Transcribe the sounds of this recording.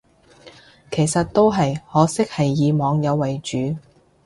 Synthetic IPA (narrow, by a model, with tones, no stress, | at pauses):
kʰe˨˩jsɐ˨t̚t̪o˥wɦɐ˨jhɔː˨˧sɪ˥k̚hɐ˨jːiː˨˧mɔː˨˧ŋjɐ˨˧wːɐ˨jt͡ʃyː˨˥